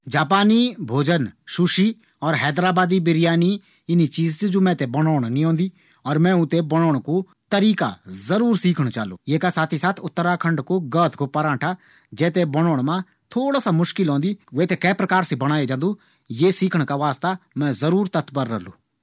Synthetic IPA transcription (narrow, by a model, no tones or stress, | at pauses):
d͡ʒaːpaːnibʱoːd͡ʒənʃʊʃi | ɔːɾɦɛːd̪ɾaːbaːd̪ibɪɾɪjaːni | ɪnit͡ʃiːzsd͡ʒoːmɛ̃ːt̪ebɐɽɔːɽ̃nĩɦõːnd̪iː | ɔːɾmɛ̃ːʊ̃t̪ebɐɽ̃oːɽ̃ko | t̪ɐɾiːka̰zɐɾuːɾsiːkʰəɽ̃t͡ʃaːlo̰ːjeːkasaːt̪ʰisaːt̪ʰʊt̪ːəɾakʰɐ̃ɳɖkoɡəːt̪ʰkopɐɾãːʈʰa | d͡ʒɛːt̪̬ebɐɽ̃oːɽ̃mã | t̪ʰoːɽaːsamʊʃkɪlɦõːnd̪iʋeːt̪ekɛːpɾɐkaːɾsibɐɽ̃aːed͡ʒãːnd̪uː | jeːsiːkʰəɽ̃kaʋaːst̪amɛ̃ːzɐɾuːɾt̪ɐt̪bəɾːɛ̰ɦlṵː